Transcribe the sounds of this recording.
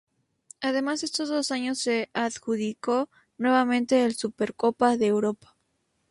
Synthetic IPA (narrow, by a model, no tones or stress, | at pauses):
aðe̞masðe̞st̪ozðo̞saɲo̞sːe̞aðxuðiko̞ | nwe̞βamẽ̞nt̪e̞ːlsupeɾko̞paðeːwɾo̞pḁ